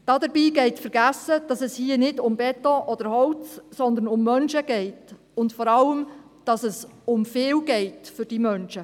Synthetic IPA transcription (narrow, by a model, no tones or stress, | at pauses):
d̥ɑdəɾbiːɡɛɪtfəɾɡæsəd̥ɑsɛshiənɪdʊmbɛt̪oʔɔd̥̪əɾhɔlt͡ssɔnd̪ənʊmːœnʃəɡɛɪt | ʊntfɔɾɑləm | d̥ɑsɛsʊmfɪːwɡɛɪtfʏɾd̥iːmœnʃə